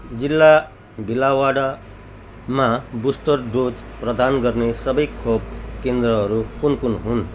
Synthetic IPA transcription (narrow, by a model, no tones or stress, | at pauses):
d͡zilːa | bilawaɽa | mabusʈʌrdut͡sprʌd̪anɡʌrnesʌbʌjkʰob̚kend̪rʌɦʌɾukunkunɦun